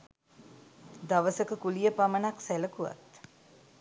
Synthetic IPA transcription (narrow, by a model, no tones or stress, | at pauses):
d̪aʋəsəkəkulijəpamənaksæləkuʋa̰t̪